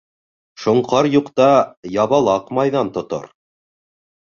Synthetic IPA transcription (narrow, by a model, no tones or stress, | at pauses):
ʃŏɴqʰɑɾjuqt̪ɑjɑβɑlˠɑqmɑjðɑnt̪ŏt̪o̰ɾ